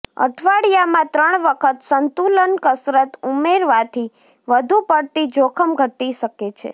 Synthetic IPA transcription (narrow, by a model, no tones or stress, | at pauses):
ə̰ʈʰʋaɽijamãt̪ɾəɳ̃ʋəkʰət̪sənt̪ulənkəsɾət̪umeɾʋat̪ʰi | ʋəd̪ʱupəɽt̪id͡ʒokʰəmɡʱəʈiʃəket͡ʃʰḛ